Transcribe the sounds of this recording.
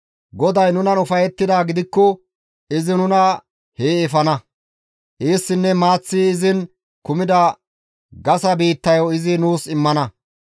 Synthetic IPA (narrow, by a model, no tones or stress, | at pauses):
ɡɔd̪ɐjnʊnɐnʊfɐjɛt̪ːɪd̪aːɡɪd̪ɪkːɔ | ɪzɪnʊnɐ | heːɛfɐnɐ | ʔiːsːɪnːɛmaːt͡sːiːɪzɪn | kʊmɪd̪ɐ | ɡɐsɐbiːt̪ːɐjɔɪzɪnuːsɪmːɐnɐ